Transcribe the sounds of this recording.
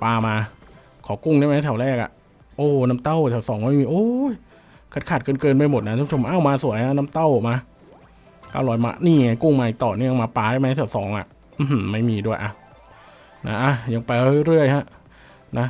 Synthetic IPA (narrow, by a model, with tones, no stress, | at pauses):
paː˧maː˧ | kʰɔː˨˩˦ku˥˩ŋdaː˥˩jma˦˥jt̪ʰa˨˩wlɛː˥˩k̚ʔa̰˨˩ʔ | ʔoː˧˩naː˦˥mt̪a˥˩wt̪ʰaː˨˩wsɔː˩˦ŋm˦˥˦jmiː˧ʔoː˧˥j | kʰa˨˩kʰaː˨˩kɤː˧nkɤː˧np̬a˧jmo˨˩t̪̚na˦t̪a˧˥˦t͡ɕʰo˧m˧ʔa˥˩wmaː˧su˨˩˦jha˦˥naː˦˥mt̪a˥˩wmaː˧ | ka̰ː˧˩lɔː˨˩˦jma̰ː˧˥niː˥˩ŋa˧˩jku˥˩ŋmaː˧ʔi˨˩t̪ɔː˨˩nɯ˥˩˨ŋmaː˧paː˧daː˥˩jma˦˥jt̪ʰɛː˨˩wsɔː˩˦ŋʔa̰˨˩ʔ | ʔ̩˧˩˨ma˥˩jmiː˧du˥˩əjʔa˧˩ | na˦˥ʔa˧˩ja˧ŋpa˧jɾɯ˦˥˩ɾɯ˥˩əjha˦˥ʔ | na˦˥